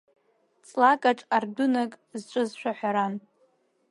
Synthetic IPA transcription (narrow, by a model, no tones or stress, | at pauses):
t͡sʼlakʼaʈ͡ʂʼardunakʼzt͡ʃʷʼɨzʃʷᶣaħʷᶣaɾan